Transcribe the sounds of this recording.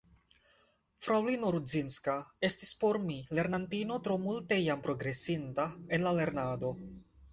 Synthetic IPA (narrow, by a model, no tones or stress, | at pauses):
fɾawlinoɾuzinskae̞stispo̞ɾmile̞ɾnantino̞tɾo̞multe̞jampɾo̞ɡɾe̞sintae̞nlale̞ɾnado̞